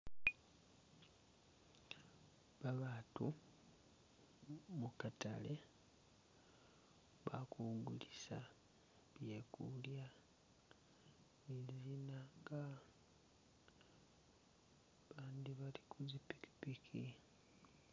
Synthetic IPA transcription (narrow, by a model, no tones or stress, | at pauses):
βaβaːtu | mukata̰le | βa̰kuɡulisa | βjekulja | izinaŋɡa | βaːnd̪iβalikʰuzipi̥ki̥pikʰi